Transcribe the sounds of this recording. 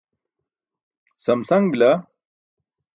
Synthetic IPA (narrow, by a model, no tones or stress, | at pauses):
sɐmsɐŋɡbila